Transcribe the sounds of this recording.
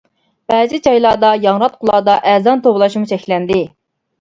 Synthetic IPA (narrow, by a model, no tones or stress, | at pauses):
b̥ɛːzɪd͡ʒɑjlˠɑd̪ɑjɑŋɾɑt̪̚qʰʊlˠɑːd̪ɑʔæːzɑnt̪ʰoblˠɑʃmut͡ʃʰɛkʲlɛnd̪ɪ